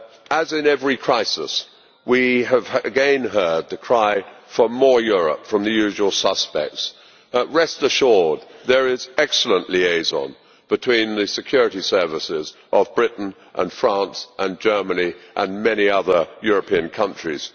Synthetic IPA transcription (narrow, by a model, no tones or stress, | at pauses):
əzɨ̃nɛvɹikʰɹ̥aɪsɪs | wiɨv̥ɨɡɛ̃nɦɜ˞d̚tɨkʰɹ̥aɪfə˞mɔɹjʊɹə̰pfɹʌ̃mðɨjʉʒwl̩ˠsʌspɛ̰k̚ts | ɹɛstəʃɔɹd̪̚ðə˞ɪzɛksl̩ˠə̃nʔlieɪzn̩ | b̥ɨtʰw̥ĩnðɨsɨkʰj̥ʊɹɨɾisɜ˞vɨsɪzʔəvbɹɪʔn̩ | ʔə̰̃nfɹæ̃nsʔə̃nd͡ʒɜ˞məniʔə̰̃nmɛñiʌðə˞jʊɹɨpʰiɨ̃nkʰʌ̃nt͡ʃɹ̥iz̥